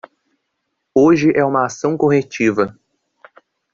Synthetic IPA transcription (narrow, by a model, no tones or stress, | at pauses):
oʒɪʔɛũmɐasɐ̃w̃koɦet͡ʃivɐ